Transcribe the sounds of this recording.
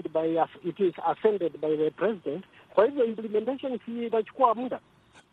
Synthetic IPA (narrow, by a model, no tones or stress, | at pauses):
dbajaitizafɛ̃ndɛdbajðəpɹɛzidɛ̃nt | fahivjɔĩmplɛmɛ̃nteʃɔ̃nsitat͡ʃu̥kuamũnda